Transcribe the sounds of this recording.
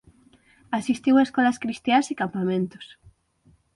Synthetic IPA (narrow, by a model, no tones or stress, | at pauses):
asist̪iweskɔlaskɾist̪jasikampamẽnt̪o̥s